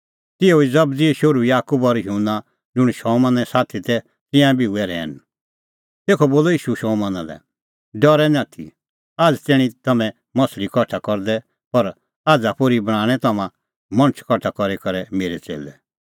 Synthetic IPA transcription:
t̪ɪoid͡zɐbd͡ziɛʃʊɾuijaːkubɔɾjunːa | d͡zʊɽ̃ʃɔːmãnɛsaːt̪ʰit̪ɛ | t̪ɪ̃jãbʱiʊɛɾɛ̰ːn | t̪eːkʰɔboːlɔiːʃuʃɔːmãnalɛ̰ | ɖɔɾɛnãːt̪ʰḭ | aːd͡zt̪ɪɽ̃ĩt̪ɐmɛ̃ | mɐslikɔʈʰakɔɾd̪ɛ | pɐɾ | aːd͡zapʊɾibɐɽ̃ãːɽ̃ɛt̪ɐmã | mɐ̃ñət͡ʃʰkɔʈʰakɔɾekɐɾɛmeːɾɛt͡sḛːlɛ̰

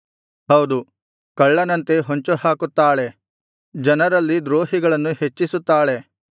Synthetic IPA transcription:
hɐwd̪u | kɐɭːɐnɐnt̪e̞ɦoɲt͡ʃuhaːkut̪ːaːɭe̞ | d͡ʒɐnɐɾɐlːid̪ɾoːɦiɡɐɭɐnːuhet͡ʃːisut̪ːaːɭe̞

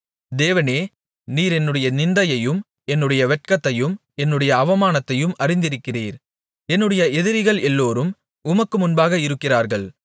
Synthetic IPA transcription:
d̪eːʋɐneː | niːɾɛnːɯɽɐjɐnɪnd̪ɐjɐjɯm | ɛnːɯɽɐjɐʋɛʈ̚kɐt̪ːɐjɯm | ɛnːɯɽɐjɐːʋɐmaːnɐt̪ːɐjɯmɐrɪnd̪ɪɾɯkːɪriːɾ | ɛnːɯɽɐjɐɛðɪɾɪɣɐɭɛlːoːɾɯm | ʊmɐkːɯmʊnbaːɣɐɪɾɯkːɪraːɾɣɐɭ

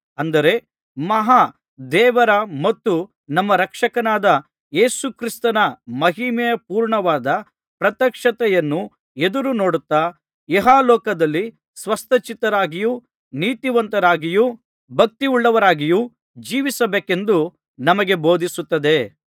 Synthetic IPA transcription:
ɐnd̪ɐɾe̞ | mɐɦa | d̪ɛːʋɐɾɐmɐt̪ːu | nɐmːɐɾɐkʂɐkɐnaːd̪ɐ | jeːsukɾist̪ɐnɐmɐɦimɛjɐpuːɾɳɐʋaːd̪ɐ | pɾɐt̪ɐkʂɐt̪ɛjɐnːu | ed̪uɾuno̞ːɽut̪ːaː | eɦaːlɔːkɐd̪ɐlːi | sʋɐst̪ʰɐt͡ʃit̪ɐɾaːɡiju | niːt̪iʋɐnt̪ɐɾaːɡiju | bʱɐk̚t̪iuɭːɐʋɐɾaːɡiju | d͡ʒiːʋisɐbeːke̞nd̪u | nɐmɐɡe̞bo̞ːd̪ʱisut̪ːɐd̪e̞

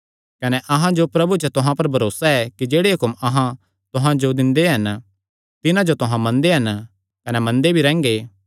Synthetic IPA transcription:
kɐnɛʔɐɦãd͡ʒopɾɐbut͡ʃət̪ʊɦãpɐɾbʱɐɾoːsaɛkid͡ʒeːɽeɦʊkʊmɐɦã | t̪ʊɦãd͡ʒod̪ɪ̃nd̪eɦɐn | t̪ɪnãd͡ʒot̪ʊɦãmɐ̃nd̪eɦɐn | kɐnɛmɐ̃nd̪ebʱiɾɛ̃ːŋɡeː

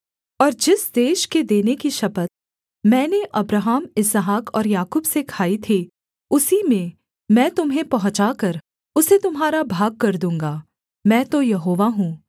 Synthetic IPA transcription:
ɔːɾd͡ʒɪsd̪eːʃked̪eːnekiʃɐpət̪̚ | mɛ̃ːneʔɐbɾaɦaːmɪsəɦaːkɔːɾjaːkuːbsekʰaːit̪ʰi | ʊsimẽ | mɛ̃ːt̪ʊmɦẽpɐɦʊ̃t͡ʃakɐɾ | ʊset̪ʊmɦaːɾabʱaːɡ̚kɐɾd̪ũːŋɡaː | mɛ̃ːt̪ojɐɦoːʋaɦũː

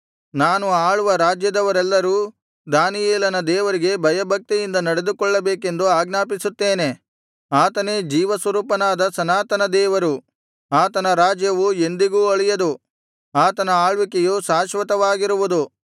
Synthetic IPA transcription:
naːnuaːɭuʋɐɾaːd͡ʒjɐd̪ɐʋɐɾɛlːɐɾuː | d̪aːnijɛːlɐnɐd̪ɛːʋɐɾiɡe̞bʱɐjɐbʱɐk̚t̪ijind̪ɐnɐɽe̞d̪ukɔɭːɐbeːke̞nd̪uaːɡnaːpisut̪ːeːne̞ | aːt̪ɐne̞ːd͡ʒiːʋɐsʋɐɾuːpɐnaːd̪ɐsɐnaːt̪ɐnɐd̪ɛːʋɐɾu | aːt̪ɐnɐɾaːd͡ʒjɐʋue̞nd̪iɡuːɐɭɛjɐd̪u | aːt̪ɐnɐaːɭʋikejuːsaːʃʋɐt̪ɐʋaːɡiɾuʋud̪u

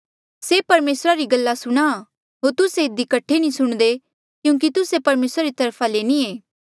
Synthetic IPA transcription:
sepɐɾmeːsɾaɾiɡɐlːasʊɽ̃a | ɦoːɾt̪ʊseɪd̪ikɐʈʰenĩsʊɽ̃d̪e | kjũːk̬it̪ʊsepɐɾmeːsɾaɾit̪ɐɾpʰaleːnieː

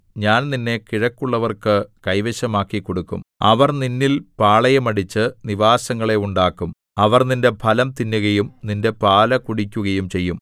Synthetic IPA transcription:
ɲaːnninːe̞kiɻɐkːuɭːɐʋɐrkɨkɐjʋɐɕɐmaːkːikːoɽukːṵmɐ̰ʋɐrninːilpaːɭɐjɐmɐɽit͡ɕːɨniʋaːsɐŋːɐɭe̞uɳɖaːkːum | ɐʋɐrninde̞pʰɐlɐmt̪inːuɣɐjumninde̞paːlɐkuɽikʲːuɣɐjumt͡ɕe̞jːum

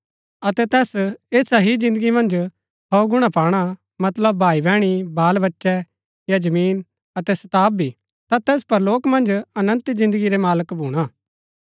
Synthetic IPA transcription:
ɐt̪ɛt̪ɛːseːsaɦid͡ʒɪ̃nd̪əɡimɐ̃nd͡ʒ | ɦɔɡʊɽ̃apaːɽ̃a | mɐt̪ləbːʱaːibɛ̃ːɽ̃ibaːlbɐtːʃɛ | jad͡ʒɐmiːn | ɐt̪ɛsɐt̪aːb̚ʱːi | t̪at̪ɛːspɐɾloːkmɐ̃nd͡ʒɐnə̃nt̪zɪ̃nd̪əɡiɾɛmaːləkbʱuːɽ̃aː

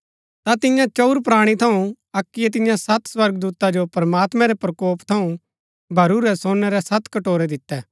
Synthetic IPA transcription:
t̪at̪ɪ̃jãt͡ʃɐuɾpɾaːɽ̃it̪ʰɐũ | ɐkːɪjɛt̪̬ɪ̃jãsɐt̪swɐɾɡd̪uːt̪ad͡ʒopɐɾmaːt̪mɛ̃ɾɛpɾɐkoːpt̪ʰɐũ | bʱɐɾuɾɛsoːnːɛɾɛsɐt̪kɐʈoːɾɛd̪ɪt̪ːɛː

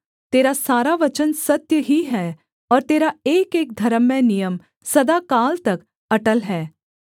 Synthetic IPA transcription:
t̪eːɾasaːɾaʋɐt͡ʃənsɐt̪jəɦiɦɛː | ɔːɾt̪eːɾaeːkeːk̚d̪ʱɐɾəmːɛ̃nijəm | sɐd̪akaːlt̪ɐk | ɐʈəlɦɛː

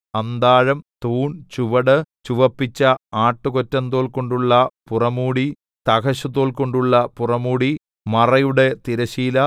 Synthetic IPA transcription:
ɐnd̪aːɻɐmt̪uːɳt͡ɕuʋɐɽɨt͡ɕuʋɐpːit͡ɕːɐaːʈːɨkotːɐnd̪o̞ːɭko̞ɳɖuɭːɐpurɐmuːɽi | t̪ɐkɐɕɐðo̞ːlko̞ɳɖuɭːɐpurɐmuːɽi | mɐrɐjuɽe̞t̪iɾɐɕiːlɐ

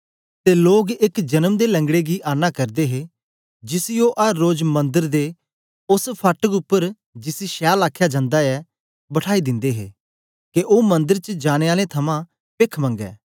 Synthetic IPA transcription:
t̪eloːɡɪkd͡ʒɐnəmd̪elɐ̃ŋɡɽeɡiʔaːnakɐɾd̪eɦe | d͡ʒɪsɪjoʔɐɾːoːd͡ʒmɐ̃nd̪əɾd̪e | ʊspʰɐʈəkʊpːəɾ | d͡ʒɪsiʃɛːlaːkʰːjad͡ʒãːnd̪aɛ | bɐʈʰaːid̪ɪ̃nd̪eɦḛː | keʔoːmɐ̃nd̪əɾt͡ʃəd͡ʒaːɽ̃eaːlet̪ʰɐmã | peːkʰmɐ̃ŋɡɛ̰ː

